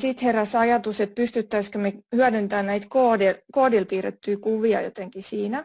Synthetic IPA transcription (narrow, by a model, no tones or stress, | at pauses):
sit̪heræsɑjɑt̪uset̪̚pyst̪yt̪ːæiskømehyædynt̪æːnnæit̪koːdelkoːdilpiːrḛt̪ːyːkuʋiɑ̰jo̰t̪eŋkisiːnæ